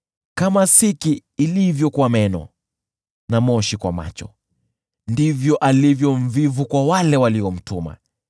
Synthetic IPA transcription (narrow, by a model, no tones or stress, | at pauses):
kamasikiːlivjɔkwamɛnɔ̰ | namɔʃikwa̰ma̰t͡ʃɔ̰ | ndivjɔʔalivjɔɱ̩vivukwawalɛwaliɔm̩tuma̰